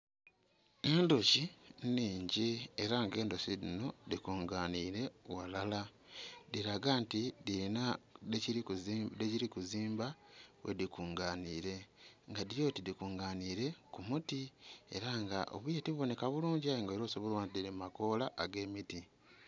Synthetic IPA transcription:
e̞ːndociniːɲɟieɾaŋɡe̞ːndosidino̞dikuːŋɡaːniːɾe̞walala | diɾaɡantidiɾinadeciɾikudeciɾikuziːmbawʔḛdikuːŋɡaːniːɾe̞ŋɡadijo̞ːtidikuːŋɡaːniːɾe̞kumutie̞̰ɾaŋɡaʔo̰βwijetiβuβo̞ne̞kaβuluːɲɟiajoŋɡaeɾoːsoβolwaːntidiɾimako̞laʔːɡe̞ːmiti

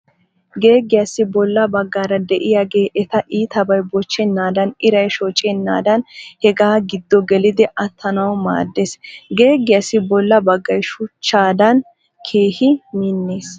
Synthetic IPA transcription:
ɡe̞ːɡɪjasːɪbɔlːɐbɐɡːaːɾɐd̪ɛʔɪjaːɡe̞ːʔɛt̪ɐʔiːt̪ɐbɐjbɔt͡ʃːɛnːaːd̪ɐnɪɾɐjʃɔt͡ʃʼɛnːa̰ːd̪ɐnhɛɡaːɡɪd̪ːɔɡɛlɪd̪ɪʔɐt̪ʰːɐnɐwma̰ːd̪ːesɡe̞ːɡːɪjasːɪbɔlːɐbɐɡːɐjʃʊt͡ʃːaːd̪ɐn | kʰe̞ːhɪminːeːs

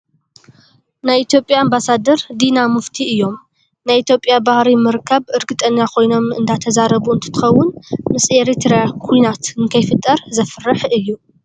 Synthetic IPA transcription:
najit̪ʰjo̞pʼjaːmbasad̪ɐɾd̪inamɨft̪ʰiɨjːo̞m | najit̪jopʼjabahɾimɨɾɨkʰːaβɨɾɡɨt̪ʼɐnːakʰo̞jno̞mɨ̰nd̪ʰat̪ʰɐzaɾɐβuɨnt̪ʰɨ̥t̪ʰɨ̥xɐwːʊnmɨseɾit̪ʰɾaakʰujnat̪ɨŋkʰɐjfɨt̪ʼːɐɾzɐfɨrɨħɨjːu

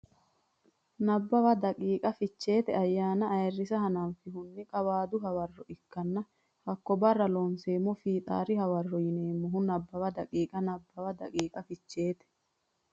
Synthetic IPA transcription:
nɐbːɐwɐd̪ɐkʼiːkʼɐfɪt͡ʃːe̞ːt̪ɛɐjːaːnɐːjrːɪsɐɦɐnanfɪɦʊnːɪkʼɐwaːd̪ʊɦɐwɐrːɔɪkːɐnːɐ | hɐkːɔbɐrːɐlɔːnseːmːɔfiːt̪ʼa̰ːɾɪhɐwɐrːɔjɪneːmːʊɦʊnɐbːɐwɐd̪ɐkʼiːkʼɐnɐbːɐwɐd̪ɐ̰kʼiːkʼɐfɪt͡ʃːe̞ːt̪ɛ̥

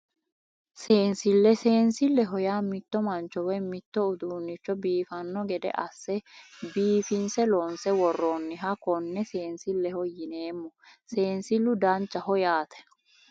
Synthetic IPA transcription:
se̞ːnsɪlːɛseːnsɪlːɛɦɔjaːmɪt̪ːɔmɐnt͡ʃɔwɛmɪt̪ːɔʊd̪uːnːɪt͡ʃːɔbiːfɐnːɔɡɛd̪ɛ̰ʔɐsːɛbiːfɪnsɛloːnsɛwɔrːoːnːɪɦɐkɔnːɛse̞ːnsɪlːɛhɔjɪneːmːɔse̞ːnsɪlːʊd̪ɐnt͡ʃːɐhɔjaːt̪ʰɛ̥

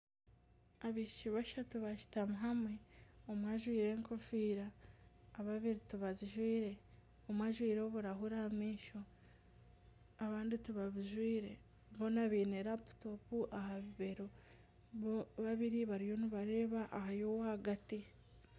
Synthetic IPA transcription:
aβiʃʃiβaʃatuβaʃi̥tamuɦamweomwaʒwiːɾe̞ːŋko̞fiːɾaː | βaβiɾituβaziʒwiːɾe̞ | omwaʒwiːɾo̞βuɾaɦuɾamiːʃo̞ | aβaːndituβaβuʒwiːɾe̞ | βo̞naβiːneɾapu̥to̞puʔahaβiβe̞ɾo | βaβiɾiβaɾijo̞nuβaɾe̞ːβaʔːhajo̞wahaɡati

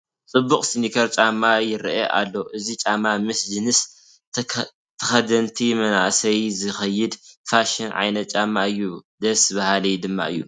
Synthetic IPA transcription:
t͡sʼɨbukʼsinikʰɐɾt͡ʃʼamːajɪɾʔeʔa̰lːo̞ʔɨzit͡ʃʼamːamɨsd͡ʒɨnɨs | t̪ʰːɐxɐd̪ɐnt̪ʰimɐna̰ʔsɐjzɨxɐjːɪd̪faʃɪnʕa̰jnɐt̪̚t͡ʃʼamːaɨjːud̪ɐsβɐhalɐjd̪ɨmːa̰ʔɨjːu

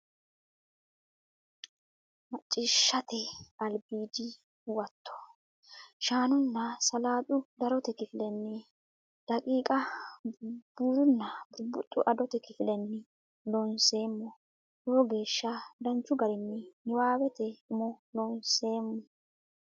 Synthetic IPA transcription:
mɐt͡ʃʼːɪʃːɐt̪ɛɐlbiːd͡ʒɪ | wɐt̪ʰːɔ̥ | ʃaːnʊnːɐsɐlaːd̪ʊd̪ɐɾɔt̪ɛkɪfɪlɛnːɪ | d̪̥ɐkʼiːkʼɐ | b̥uːɾʊnːɐbʊɾbʊt̪ʼːʊ̰ʔɐd̪ɔt̪ɛkɪfɪlɛnːɪ | loːnse̞ːmːɔ | joːɡe̞ːʃːɐd̪ɐnt͡ʃːʊɡɐɾɪnːɪnɪwaːwɛt̪ɛʊmɔloːnse̞ːmːɔ

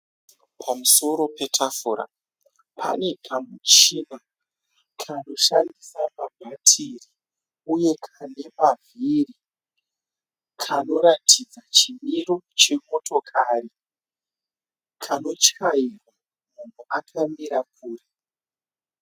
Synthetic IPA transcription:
pʰamuso̞ɾo̞pe̞tʰafuːɾa̰ | pʰa̰ne̞kʰamut͡ʃina | kʰano̞ʃandisamabʱatʰiri | uje̞kʰane̞maviri | kʰano̞ɾatʰid͡zat͡ʃimiro̞t͡ʃe̞moto̞kʰari | kʰano̞t͡ʃajirwa | mun̤uʔakʰamiɾakuːre

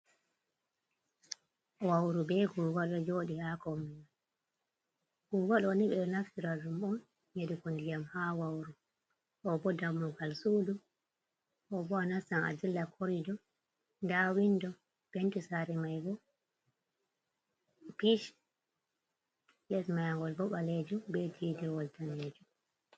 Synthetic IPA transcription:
ɔwawɾubɛɡuwaɗɔd͡ʒoːɗihakɔmːina | ɡ̥uwaɗɔniɓɛnaftiɾad͡ʒumɔn | ɲedikondijamhawawɾu | ʔɔbɔdamukalsudu | ʔɔbɔanasana̰dilːakʰoɾidɔ | ndawindɔ | b̥entisaɾɛmajɡɔ | piʃ | jɛsmajaŋɡɔlbɔɓaled͡ʒubɛtʰidɛwɔltaned͡ʒu

